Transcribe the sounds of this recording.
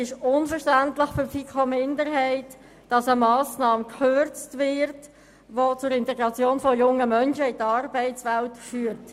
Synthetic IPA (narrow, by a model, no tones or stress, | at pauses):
ɪʃʊnfəɾʃtæntləχfʏfikʰomɪndəɾɦɛɪt | d̥ɑsəmɑːsnɑːmkøɾt͡stvɪɾt | ʋot͡sʊɾɪntɛɡɾɑt͡sjoːnfɔjʊŋəmœnʃəɪdəɑrbɛɪt͡sʋæltfyːɾt